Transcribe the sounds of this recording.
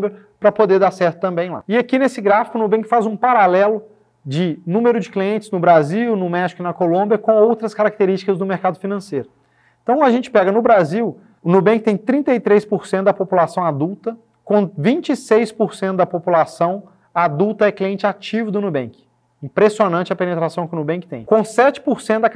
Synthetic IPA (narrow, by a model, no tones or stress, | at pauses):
bɐ | pɾɐpod̪eɾd̪aɾsɛɾt̪ʊ̥t̪ɐ̃mbẽj̃la̰ɪakinesɪɡɾafikʊnubẽŋkɪ̥fazũpaɾalɛlʊ | d͡ʒɪnũmeɾʊd͡ʒɪkliẽnt͡ʃɪznʊbɾaziwnʊmɛʃi̥kʊɪnɐkolõbiɐkõowt̪ɾɐskaɾɐk̚t̪eɾist͡ʃɪ̥kɐzd̪ʊmeɾkad̪ʊfinɐ̃sejɾʊ | ẽt̪ɐ̃w̃ɐʒẽnt͡ʃɪ̥pɛɡɐnʊbɾaziw | ʊnubẽkɪt̪ẽj̃t̪ɾĩnt̪ejt̪ɾejspoɾsẽnt̪ʊd̪ɐpopulasɐ̃w̃ad̪uwt̪ɐ | kõvĩnt͡ʃisejspoɾsẽnt̪ʊd̪ɐpopulasɐ̃w̃ | ad̪uwt̪ɐɛkliẽnt͡ʃɪat͡ʃivʊd̪ʊnubẽkɪ̥ | ĩpɾesionɐ̃nt͡ʃɐpenet̪ɾasɐ̃w̃kɪʊnubẽŋkɪ̥t̪ẽj̃kõsɛt͡ʃɪ̥poɾsẽnʊd̪ɐ